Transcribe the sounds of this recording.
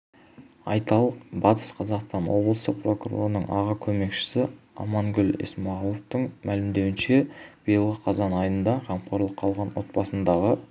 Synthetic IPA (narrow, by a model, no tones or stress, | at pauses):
ɑjt̪ɑlˠəq̚bɑt̪ə̥sqʰɑzɑqst̪ɑnwo̞blˠəsəpro̞kuro̞̰ɾənə̰ɴɑʁɑkʲʰɵme̞kʃɪ̥sɪɑ̰mɑŋɡʲʏlḛsmɑʁlˠoft̪əɴmʔælɪmd̪e̞wɪnʃe̞b̥ijəlˠʁəqʰɑzɑnɑjənd̪ɑqʰɑmqoɾlˠəqʰːɑlˠʁɑnwo̞̰t̪̚bɑsənd̪ɑʁə